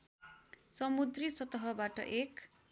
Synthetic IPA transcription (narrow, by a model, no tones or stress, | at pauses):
sʌmud̪risʌt̪ʌɦʌbaʈʌ̰ʔek